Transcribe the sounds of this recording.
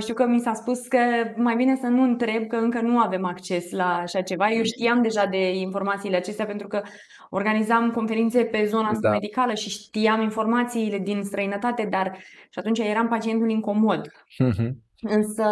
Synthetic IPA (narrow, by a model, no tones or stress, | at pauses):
ʃt̪iwkəmisaspuskəmajbine̞sənuɨnt̪ɾe̞b̚kəɨŋkənuave̞makt͡ʃe̞slaːʃat͡ʃe̞vajewʃt̪iamd̪e̞ʒad̪e̞info̞rmat̪siːle̞at͡ʃe̞st̪eape̞nt̪ɾukə | o̞rɡanizamko̞nfe̞ɾint̪se̞pe̞zo̞nəaast̪ame̞d̪ikaləʃiʃt̪ijaminfo̞rmat̪siːle̞d̪inst̪ɾəinət̪at̪e̞d̪arʃat̪unt͡ʃaje̞ɾampat͡ʃie̞nt̪uliŋko̞mo̞d̪ | ɨ | ɨnsə